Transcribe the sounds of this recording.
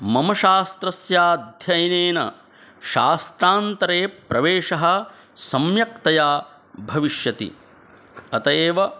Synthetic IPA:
mɐmɐʃaːst̪ɾɐsjaːd̪ʱjɐjɐneːnɐ̰ | ʃaːst̪ɾaːnt̪ɐɾeːpɾɐʋeːʃɐɦɐ̆ | sɐmjɐkt̪ɐjaː | bʱɐʋiʃjɐt̪ḭ | ɐt̪ɐeːʋɐ

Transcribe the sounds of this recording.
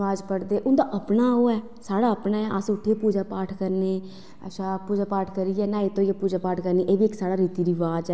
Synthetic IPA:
aːd͡ʒpəɽd̪eːʔʊnd̪aːʔəpnaːoːɛː | saːɽaːəpnaːɛʔasʊʈʰːieːpuːd͡ʒaːpaːʈʰkəɾneː | ə̰ʃaːpuːd͡ʒaːpaːʈʰkəɾiːɛːnãːit̪õːjeːpuːd͡ʒaːpaːʈʰkəɾniːʔeːbiːɪksaːɽaːɾiːt̪iːɾiːʋaːd͡ʒɛː

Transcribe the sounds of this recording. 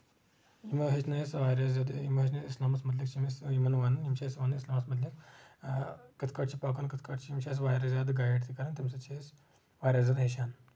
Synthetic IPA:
imɐɦit͡ʃʰnɐsʋaːɾʲazjad̪imɐɦit͡ʃʰnɐsislaːmɐsmɐd̪likt͡ʃimisimɐnʋanɨnjimʃaːisʋanɨislaːmɐsmɐd̪lik | kət̪ʰkaːʈt͡ʃipaːkaːnkət̪ʰkaʈt͡ʃiimʃas̬ʋaːjɾazjaːd̪ɡaːjeʈt̪ʰikɐɾɐnt̪imʲsɐt͡ʃʰes | ʋaːɾʲjaːzjad̪ɦeʃaːn

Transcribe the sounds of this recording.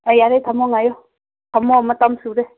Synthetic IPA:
ɛjaɾet̪ʰamɔŋajɔ | t̪ʰamɔmat̪amsuɾɛ

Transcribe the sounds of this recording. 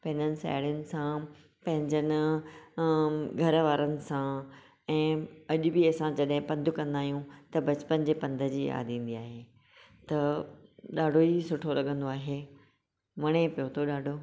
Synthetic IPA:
pɐ̃ɦɪ̃ɲd͡ʑənɪ̆sa̰ːɽijʊnɪ̆sã | pɐ̃ɦɪ̃ɲd͡ʑənɪ | ɡʱɐɾʋaːɾənɪ̆sã | ɛ̃ːɐʄʊbɪɐsãd͡ʑɐɗɦɪ̃pɐ̃nd̪ʱʊkɐ̃nd̪aːɦijũt̪ɐbɐt͡ɕpənd͡ʑeːpɐ̃nd̪ʱə̆d͡ʑiːa̰ːd̪ĩːn̆d̪iaːɦeː | t̪ɐ | ɗaːɖʱoisʊʈʰolɐɠə̃nd̪oaːɦeː | mɐɽ̃epijot̪ʰoɗaːɖʱo

